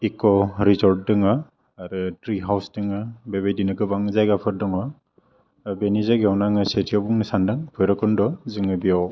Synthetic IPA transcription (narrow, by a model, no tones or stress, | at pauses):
ikɔɾizɔɾt̚dɯŋa | aɾɯtɾiɦawsdɯŋɯbeβejdinɯkɯbaŋzajɡapʰɯɾ̚dɔŋɔ | benizaɡawnaŋɯsetʰiɔbuŋnɯsandɯŋpʰɔjɾɔkɔndɔzɯŋɯbijaw